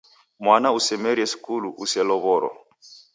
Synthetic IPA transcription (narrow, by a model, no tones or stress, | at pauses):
mwanausɛmɛɾiɛsi̥kuluʔusɛlɔβɔɾɔ̰